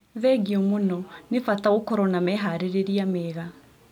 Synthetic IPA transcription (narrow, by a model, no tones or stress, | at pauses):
ðɛɡiomonɔnefataokɔɾɔnamɛɦaɾeɾeɾiamɛːɣa